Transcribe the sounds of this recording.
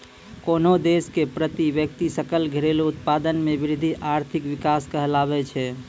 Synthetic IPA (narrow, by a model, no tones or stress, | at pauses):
konod̪eskepɾət̪iʋjək̚t̪isəkəlɡʱiɾelout̪pad̪ənmebiɾid̪ʱːiʔaɾt̪ʰikʋikaskəɦəlabɛt͡ʃʰɛ